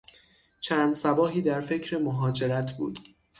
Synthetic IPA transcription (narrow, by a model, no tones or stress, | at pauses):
t͡ʃʰæːnd̪sæbɒːɦiːd̪æɾfe̞cʰɾemoɦɒːd͡ʒe̞ɾæt̪ʰbṵːd̪̥